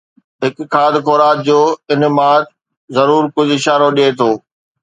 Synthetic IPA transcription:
ɦɪkkːʰaːd̪koːɾaːt̪d͡ʑoːɪnmaːt̪ | zɐɾuːɾkʊd͡ʑʱɪʃaːɾoɗiet̪ʰoː

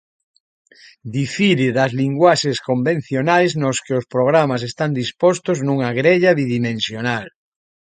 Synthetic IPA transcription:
d̪ifiɾɪðazliŋɡwaʃeskombẽn̟θjonajznoskɪospɾoɣ̞ɾamas̬est̪and̪ispost̪oznuŋaɣɾeʎaβiðimẽnsjonal

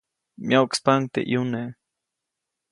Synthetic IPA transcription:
mjawkspaŋ̚t̪ḛʔjune

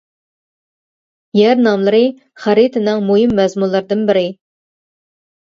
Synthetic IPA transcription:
jæɾnɑmlˠɨɾɨ | χæɾit̪ʰɨnɪŋmojimːɛzmunlˠɨɾd̪ɨnbɪɾɪ

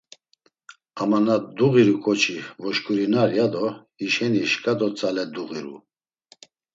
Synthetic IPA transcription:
amanad̪uɣiɾukʼɔt͡ʃʰivɔʃkʰʼuɾinaɾjad̪ɔ | iʃɛniʃkʼad̪ɔt͡sʼalɛd̪uɣiɾṵ

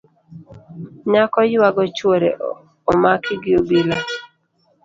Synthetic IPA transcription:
ɲakɔjwaɡɔt͡ʃwoɾḛ | ɔmakɪɡɪobila

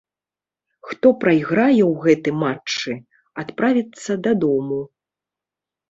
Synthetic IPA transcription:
xt̪ɔpɾajɣɾajɛwɣɛt̪ɨmat͡ʂt͡ʂːɨ | at̪pɾavʲit̪sːɐd̪ad̪ɔmu

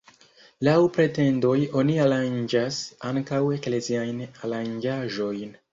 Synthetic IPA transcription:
lawpɾe̞te̞ndo̞jo̞niaɾand͡ʒasaŋkawe̞kle̞ziajnaɾand͡ʒaʒo̞jn

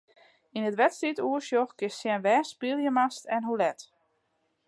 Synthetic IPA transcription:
inətʋɛtstituəsjoxkɪssjɛnʋɛːspilˠjəmastɛnɦulɛt

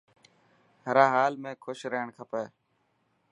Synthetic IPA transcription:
ɦəɾãːɦaːlmẽːkʰʊʃɾəːɳkʰəpeː

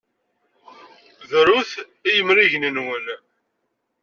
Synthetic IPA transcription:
ðɾuθ | ijəmɾiʝnənwəl

